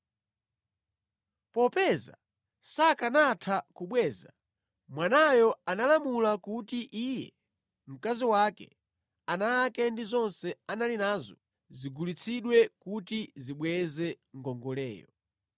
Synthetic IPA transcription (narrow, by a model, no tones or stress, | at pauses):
pɔpɛza̰ | sakanatʰakuɓwɛːza | mwanajɔanalamulakutiʔijɛ | m̩kaziwakɛ̰ | anaːkɛndizɔnsɛanalinaːzɔ | ziɡulit͡sʰiɗwɛkutiziɓwɛzɛ | ŋ̩ɡɔŋɡɔlɛ̰ːjɔ̰